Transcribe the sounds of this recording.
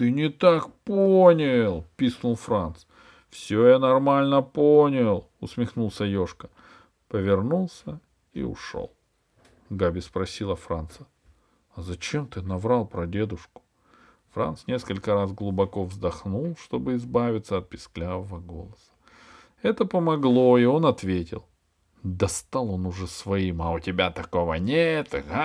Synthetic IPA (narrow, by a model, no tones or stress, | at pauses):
t̪ɨnʲɪt̪akponʲɪlˠpʲisnʊlˠfɾant̪s | fsʲojanɐrmalʲnəponʲɪlˠ | ʊsmʲɪxnulˠsʲəjo̞ʂkə̥ | pəvʲɪrnulˠsʲə | ḭʊ̰ʂo̰lˠ | ɡabʲɪspɾɐsʲilˠəfɾa̰nt̪sə | ɐzɐt͡ɕemt̪ɨnɐvɾalˠpɾɐdʲe̞d̪ʊʂkʊ̥ | fɾa̰nt̪snʲe̞skəlʲkəɾazɡlˠʊbɐko̞vzd̪ɐxnulˠʂt̪o̞bɨɪzbavʲɪt̪səɐt̪̚pʲɪ̥sklʲavəvəɡo̞̰lˠəsə̥ | ɛt̪əpəmɐɡlˠo̞io̞nɐt̪vʲetʲɪ̰lˠ | d̪ɐst̪alˠo̞nʊʐɛsvɐimɐʊtʲɪbʲat̪ɐko̞vənʲet̪a